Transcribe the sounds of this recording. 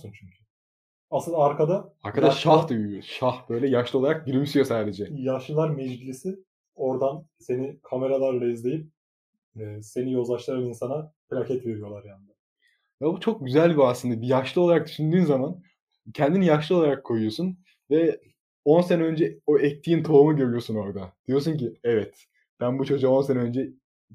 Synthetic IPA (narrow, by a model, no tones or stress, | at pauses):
sunt͡ʃʰyɲcʰy̥ | asɯnaaɾkʰad̪aaɾkʰadd̪aʃahd̪ujyjoʃahb̥ø̞jlʲɛjaʃlˠɯo̞lˠaɾak̚ɟiɾmisijo̞saːd̪e̞d͡ʒɛjaʃlˠɯlˠaɾmɛd͡ʒbilʲisi | o̞ɾd̪anse̞nikʰame̞ɾalˠaɾlˠaizlʲe̞jip̚ː | se̞nijo̞ld̪ˠaʃlˠaɾaninsanafiɾʲacʰɛt̪ve̞ɾijo̞lˠaɾjanɯd̪a | jabut͡ʃʰo̞k̚ɟyzælʲbiaslɯnd̪abijaʃlˠɯo̞lˠaɾak̚d̪yʃynd̪yːnzaman | cʰɛnd̪inijaʃlˠɯo̞lˠaɾakʰːo̞jujo̞sun | vɛ | o̞nsenɛø̞nd͡ʒɛo̞ɛc̚t̪ʰːijint̪ʰo̞umuɟø̞ɾyjo̞suno̞ɾd̪ad̪̥ijo̞s̬uɲciɛvɛt̪ | b̥ænbut͡ʃʰo̞d͡ʒuao̞nsenɛø̞nd͡ʒɛ